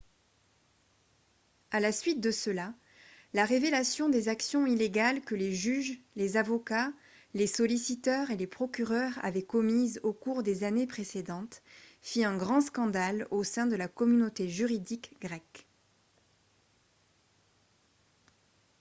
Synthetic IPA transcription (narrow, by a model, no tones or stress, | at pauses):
alasɥit̪̚d̪əsəla | laʁevelasjɔ̃d̪ezaksjɔ̃ileɡalkəleʒyʒlezavɔka | lesɔlisit̪œʁelepχɔkʲyʁœʁa̰vɛkɔmizokuʁd̪ezanepχesed̪ɑ̃t̪fiɛ̃ɡʁɑ̃skɑ̃d̪alosɛ̃d̪əlakɔmynot̪eʒyʁid̪ikɡʁɛk